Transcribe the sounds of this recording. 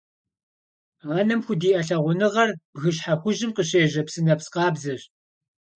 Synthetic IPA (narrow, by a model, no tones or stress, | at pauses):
aːnɐmxʷʊdiːʔɐɬɐʁʷʊnɨʁɐrɣɨɕħaxʷʊʒɪmqəɕeːʑɐpsɨnɐpsqɑːbzɐɕ